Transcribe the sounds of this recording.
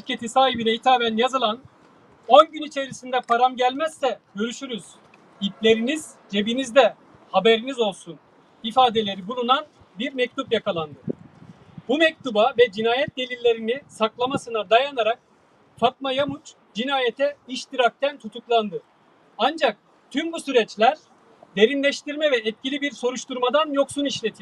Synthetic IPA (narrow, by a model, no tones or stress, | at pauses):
ʃiɾcʰe̞t̪ʰisaːɦibinɛit̪ʰaːmænjazɯlˠan | o̞nɟynit͡ʃʰe̞ɾisind̪ɛpʰaɾamɟælʲmæzːɛɟø̞ɾyʃyɾyz̥ | iplʲe̞ɾinizd͡ʒe̞binizd̪ɛ | habe̞ɾinizo̞lˠsun | ifaːd̪e̞lʲe̞ɾibulˠunan | biɾmɛc̚t̪ʰupjakʰalˠand̪ɯ | bumɛc̚t̪ubavɛd͡ʒinaːjɛt̪̚d̪e̞lʲilʲːe̞ɾinisaklˠamasɯnad̪ajanaɾak̚ | fat̪̚majamut͡ʃ | d͡ʒinaːjet̪ʰɛiʃt̪ʰiɾak̚t̪ʰænt̪ʰut̪ʰuklˠand̪ɯ | and͡ʒak̚ | t̪ʰymbusyɾɛt͡ʃlʲæɾ | d̪e̞ɾinlʲɛʃt̪iɾmɛvɛːt̪̚cilʲibiɾso̞ɾuʃt̪ʰuɾmad̪anjo̞ksuniʃlʲet̪ʰi